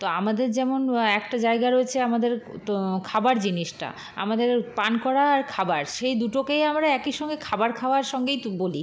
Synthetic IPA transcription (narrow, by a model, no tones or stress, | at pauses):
t̪oamad̪eɾd͡ʑɛmonɛkʈad͡ʑaeɡaɾoet͡ɕʰeamad̪eɾkʰabaɾd͡ʑiniʃʈa̰ | a̰mad̪eɾpankɔɾaːɾkʰabaɾʃejd̪uʈokejamɾaɛkiʃɔŋɡekʰabaɾkʰabaɾʃɔŋɡejboli